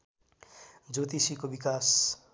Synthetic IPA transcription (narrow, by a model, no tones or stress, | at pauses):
d͡zot̪isikobikas